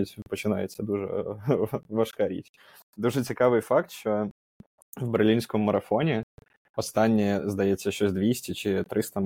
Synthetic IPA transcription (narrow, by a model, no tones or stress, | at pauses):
tʲpɔt͡ʃɪna̰jḛt͡sʲsʲːɐd̪uʐɛ̰ | ʋɐʂkɐɾʲḭtʲ | d̪uʐɛt͡sʲɪkɑʋɨjfɑk̚t̪ʃt͡ʃɔ | vbɨrlʲinʲsʲkɔmːɐɾɐfɔnʲɪ | ɔst̪ɑnʲːijɛzd̪ɐjɛsʲːɐʃt͡ʃɔzʲd̪ʲʋʲisʲtʲɪt͡ʃɪt̪ɾɪst̪ɐ